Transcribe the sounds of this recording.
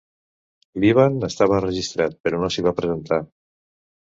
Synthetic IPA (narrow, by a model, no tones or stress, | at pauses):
liβ̞anest̪aβəːrəʒist̪ɾat̪̚peɾonosiβ̞apɾəzent̪a